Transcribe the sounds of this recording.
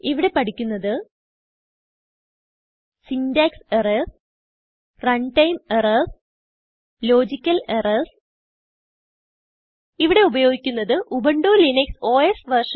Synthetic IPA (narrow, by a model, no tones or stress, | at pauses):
iʋiɽe̞pɐʈikʲːunːɐðɨ | sindaːkseres | rɐɳʈɐjmerɐs | lo̞ːd͡ʑikʲːɐlerɐls | iʋiɽe̞ubɐjo̞ːɡikʲːunːɐðɨʔubɐɳɖoːlinekso̞ːesʋɐrʂ